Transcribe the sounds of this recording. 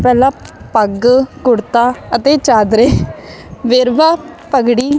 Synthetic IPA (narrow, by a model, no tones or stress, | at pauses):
pɛːlãːpəɡkʊɽt̪aːət̪eːt͡ʃaːd̪ɾeː | ʋeːɾʋaːpəɡɽiː